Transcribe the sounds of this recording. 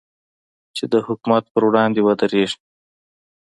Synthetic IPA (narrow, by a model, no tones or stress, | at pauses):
t͡ʃed̪əhʊkumat̪̚pəɾwɽɑnd̪ewad̪əɾeʐ